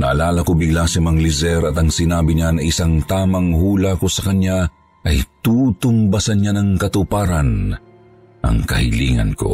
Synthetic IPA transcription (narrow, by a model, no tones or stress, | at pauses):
nɐ̰ʔɐlaːlɐkobɪɡlasɐmɐŋlizɛɾɐt̪ɐŋsɪnaːbɪɲanɐʔɪsaŋt̪aːmɐŋhuːlakosɐkɐɲja | ʔɐjt̪uːt̪ʊmbɐsɐnɲanɐŋkɐt̪ʊpaːɾɐn | ʔɐ̰ŋkɐ̰hɪ̰liːŋɐ̰nko̞̰